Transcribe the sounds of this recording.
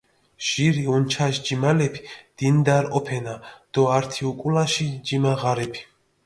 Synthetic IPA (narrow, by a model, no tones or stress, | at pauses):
ʒ̥iɾiunt͡ʃʰaʃd͡ʒimalɛpʰi̥d̪̥ind̪aɾɔpʰɛnad̪̥ɔaɾt̪ʰiukʼulaʃid͡ʒimaʁaɾɛpʰi̥